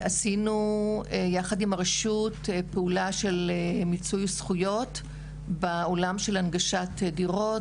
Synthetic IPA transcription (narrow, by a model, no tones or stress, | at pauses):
asinu | jaχadimaʁeʃutpeulaʃe̞lemit͡sujsχujo̞t | beolamʃe̞lanɡaʃatdiʁo̞